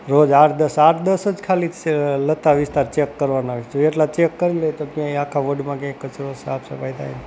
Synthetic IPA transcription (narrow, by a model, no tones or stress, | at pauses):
ɾod͡ʒaʈd̪əsaʈʰd̪əsəd͡ʒkʰalilət̪aʋɪst̪aɾt͡ʃekːəɾʋanaɦot͡ʃoeʈlat͡ʃekːəɾiləjt̪oɡijãiakʰaʋoɖmãɡãkːət͡ʃɾosabsəpajd̪a̰jn